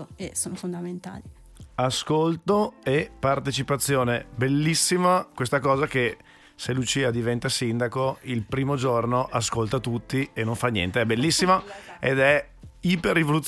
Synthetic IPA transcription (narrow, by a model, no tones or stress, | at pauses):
esoːnofond̪ament̪a̰ːli | askolt̪oepart̪et͡ʃipat̪sːjoːnebelːisːimakwest̪akɔːzake | selut͡ʃiːad̪ivɛnt̪asind̪akoilpɾiːmod͡ʒornoʔaskolt̪at̪ut̪ːienːoɱfanːjɛ̰nt̪eɛbelːisːimaḛd̪ɛ | iperːivolut̪